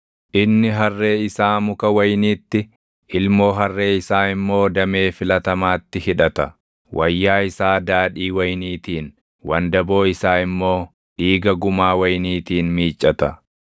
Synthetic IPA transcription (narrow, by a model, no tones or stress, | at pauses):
ʔɪnːɪɦɐrːe̞ːɪsaːmʊkɐwɐjniːt̪ːɪ | ʔɪlmo̞ːɦɐrːe̞ːɪsaːɪmːo̞ːd̪ɐme̞ːfɪlɐt̪ɐmaːt̪ːɪhɪᶑɐt̪ɐ | wʔɐjːaːɪsaːd̪aːᶑiːwɐjniːt̪iːn | wɐnd̪ɐbo̞ːɪsaːɪmːo̞ː | ᶑiːɡɐɡʊmaːwɐjniːt̪iːnmiːt͡ʃʼːɐt̪ɐ